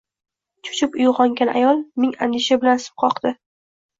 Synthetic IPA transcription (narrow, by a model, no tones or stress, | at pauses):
t͡ʃʰʊ̥t͡ʃʰɪpʊjʁɒŋɡʲanʔa̰jɒlˠmɪŋand̪ɪʃabɪlansɪ̥p̚qʰɒqd̪̥ɪ